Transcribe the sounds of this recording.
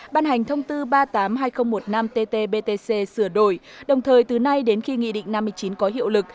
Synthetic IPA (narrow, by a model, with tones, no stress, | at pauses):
ɓaː˧nɦa˨˩jŋ̟t̪ʰə˧wŋ͡mt̪ɨ˧ɓaː˧t̪aː˨˦mɦaː˧jxə˧wŋ͡mmo˨˩t̚na˧mt̪e˧t̪e˧ɓe˧t̪e˧se˧sɨ˧˩əɗo˧˩j | ɗə˨˩wŋ͡mt̪ʰəː˨˩jt̪ɨ˨˩na˧jɗe˨˦nxi˧ŋḭ˧˨ɗḭ˧˨ŋ̟na˧mːɨ˧əjt͡ɕi˨˦nkɔ˨˦ɦḭ˧˨əwlɨ˨˩k̚